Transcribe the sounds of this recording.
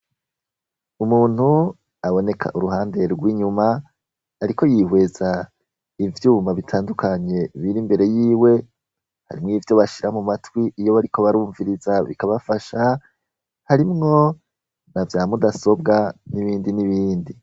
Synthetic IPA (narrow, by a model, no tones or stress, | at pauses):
umuːn̥hu | aβo̞ne̞kʰa̰ʔuɾuɦaːnde̞ɾɾɡwiːɲumaː | ɾiko̞jihwe̞za | ivjuːmaβitʰaːndukʰaɲe̞βiɾimbe̞ɾe̞jiːwe̞ | ha̰ɾimŋiːvjo̞βaʃiɾamumatwiijo̞βaɾiko̞βaɾuːɱviɾizaβḭkaβafaʃa | haɾimŋo̞ | navjaːmudaso̞bɡaniβiːndiniβiːndi